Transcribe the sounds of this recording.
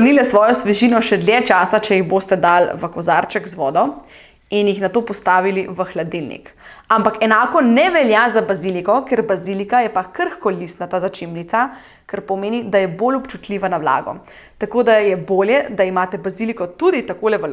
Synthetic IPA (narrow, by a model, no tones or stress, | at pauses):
nilɛsʋɔːjɔsʋɛʒiːnɔʃɛd̪ljɛt͡ʃaːsat͡ʃɛjiɣbost̪ɛd̪alʋəkɔzaɾt͡ʃɛɡzʋɔːd̪ɔ | injixnat̪oːpɔst̪aːʋiliʋəxlad̪ilnḭkampakɛnaːkɔnɛʋɛljazabazilikɔkeɾbazilikajɛpakəɾxkɔlist̪nat̪azat͡ʃimlit̪sa | kəɾpɔmeːnid̪ajɛbolɔpt͡ʃut̪liːʋanawla̰ːɡɔ̰ | t̪akoːd̪ajɛboːljɛd̪aimaːt̪ɛbazilikɔt̪ud̪it̪akoːlɛʋə